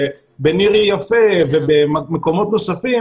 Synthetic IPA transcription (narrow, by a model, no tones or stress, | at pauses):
beniʁijafevebemeko̞mo̞t̪nosafi